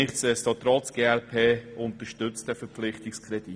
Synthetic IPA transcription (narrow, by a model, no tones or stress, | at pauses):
ɪχtsɛstɑt̪ɾɔt͡sɡ̥eːɛlpʰeːʊnt̪əʃtʏt͡std̥ɛfəɾpflɪχtɪkskʰɾɛd̥it